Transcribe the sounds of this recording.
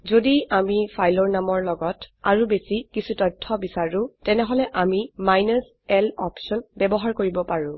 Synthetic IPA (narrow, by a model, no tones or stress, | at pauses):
zodiamipʰajlɔɹnamɔɹlɔɡɔtaɹubesikisʰutɔjtʰːɔbisaɹʊ̃tɛnɛɦɔlɛʔamimajnɔs | ɛlɔpsɔnbɛbɔɦaɹkoɹibɔpaɹʊ̃